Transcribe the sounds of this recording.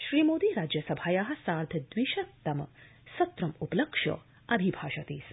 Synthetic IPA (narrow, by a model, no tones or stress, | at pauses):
ʃɾimod̪iɾad͡ʒjəsɐbʱajaɦɐ̆saːɾd̪ʱəd̪ʋiʃɐt̪ːɐm | sɐt̪ɾɐmupləkʃo̰ | ɐbʱibʱaːʃɐt̪iːs